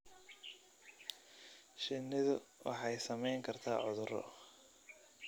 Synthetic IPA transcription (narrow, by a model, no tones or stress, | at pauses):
ʃɪnːɪðʊwɑ̰ħɑjsɐmɛjŋkʰɐrt̪ʰa̰ːʕʊðʊɾɔ̰